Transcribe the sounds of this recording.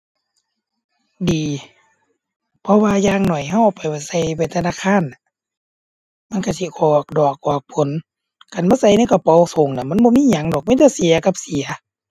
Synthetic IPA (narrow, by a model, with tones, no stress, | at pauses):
diː˨ | pʰɔ˧waː˧jaː˧ŋnɔ˨˩jɦa˧˩wʔa˧˩pa˨jba˧˩sa˧jba˧˩t̪ʰa˧naː˧˥˨kʰaː˧˥˨nːa˨˧˦ | ma˧˥˨nka˧˩si˧˨kʰɔː˨˩k̚dɔː˨˩k̚ʔɔː˨˩k̚pʰo˨˦n | ka˨nbaː˧˥˨sa˧˩jna˧˨ka˧˩pɔ˧˨so˨˦ŋna˧˨ma˧˥˨nbɔ˧˦miː˧˥˨ɲa˨˦ŋdɔː˨˩k̚ma˧˥˨t͡ɕa˧˩si˨˦ɐka˧˦p̚si˨˦ɐ